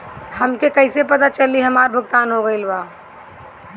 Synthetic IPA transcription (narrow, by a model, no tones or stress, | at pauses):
həmkekɐɪsep̬ɐt̪at͡ʃəliɦəmaːɾbʱʊɡt̪aːnɦoɡəɪlbaː